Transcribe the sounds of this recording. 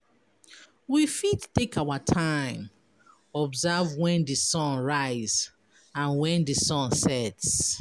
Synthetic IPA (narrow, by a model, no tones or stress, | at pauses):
wifidtːekawatʰãɪ̃m | ɔbzɛvwɛ̃ndɨsɔ̃nɹaɪz | ãnwɛ̃ndɨsɔ̃nsɛts